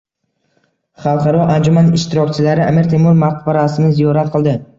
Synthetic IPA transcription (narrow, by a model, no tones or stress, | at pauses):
χɑlˠqʰɑɾɒʔand͡ʒʊmanɪʃt̪ɪɾɒkʲt͡ʃʰɪlaɾɪʔamiɾt̪ʰe̞muɾmaqbaɾasɪnɪzijɒɾat̪̚qʰɨlˠd̪ɪ